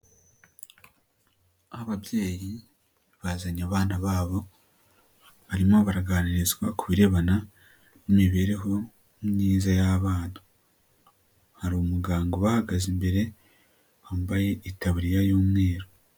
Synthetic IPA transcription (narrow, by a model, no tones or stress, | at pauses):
aβaβje̞ːji | βazaɲaβaːnaβaːβo̞ | βaɾimo̞βaɾaɡaːniɾizɡwakuβiɾe̞βana | nimiβe̞ɾe̞ɦo̞ | mɲiːzajaβaːn̥u̥ | haɾumuɡaːŋɡo̞βahaɡazimbe̞ɾe̞ | βaːmbaje̞ʔitaβuɾijajoːmŋe̞ːɾo